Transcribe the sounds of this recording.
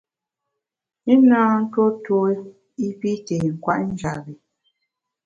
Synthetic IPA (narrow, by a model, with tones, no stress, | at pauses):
i˦naː˦n̩˦two˦two˦ | i˦pi˦te˨ŋ̩˨kwa̰˦ʔn̩˦d͡ʒa˨bi˨